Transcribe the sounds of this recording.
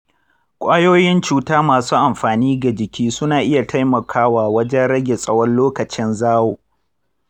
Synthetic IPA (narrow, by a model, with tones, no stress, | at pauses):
kʷʼaː˦joː˦jɪ˦nt͡ʃuː˨taː˦maː˨suː˦ʔa˨mɸaː˨niː˦ɡa˨d͡ʒɪ˨kʲiː˦sʊ˦naː˨ʔɪ˦ja˨tʰa˦jmɐ˨kʰaː˦waː˨wɐ˦d͡ʒɛ˦nɽɐ˦ɡʲe˨sʼɐ˦wɔ˦nloː˦kɐ˨t͡ʃɪ˦nzaː˦woː˨